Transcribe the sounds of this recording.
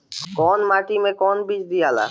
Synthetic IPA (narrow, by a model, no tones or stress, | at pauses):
kɔːnmaʈimẽkɔnbid͡ʒd̪ijala̰ː